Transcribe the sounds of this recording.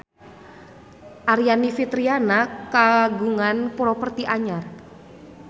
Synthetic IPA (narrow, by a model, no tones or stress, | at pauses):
ʔaɾianifit̪ɾianakaɡuŋanpuɾɔpərt̪iʔaɲar